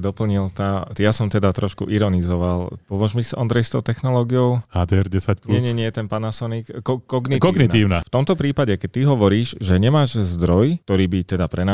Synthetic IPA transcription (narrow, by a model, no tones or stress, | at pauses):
d̪ɔpl̩ɲilt̪aːjasɔmt̪ɛd̪at̪ɾɔʃkṵʔiɾɔnizɔʋalpɔʋɔʒmisiʔɔnd̪ɾɛjst̪ɔʊt̪ɛxnɔlɔːɡiɔʊhaːd̪ɛɛɾɟɛsacpɲɛɲɛɲɛjt̪ɛnpanasɔnikkɔkɔɡniikɔɡniiːʊnaft̪ɔmt̪ɔpɾiːpaɟɛkɛc̚t̪ːiɦɔʋɔɾiːʒʒɛɲɛmaːʒzd̪ɾɔjt̪ɔɾiːbit̪ɛd̪apɾɛna